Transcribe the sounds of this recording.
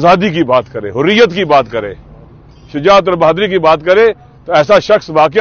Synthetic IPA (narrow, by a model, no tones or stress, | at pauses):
zaːd̪ik̬ibaːt̪kəɾḛ̃ːɦʊɾijət̪kibaːt̪kəɾḛ̃ː | ʃɪd͡ʒaːt̪̬əɾbaːd̪ɾik̬ibaːt̪kəɾẽ | t̪oɛːsaʃəxsʋaːkɪ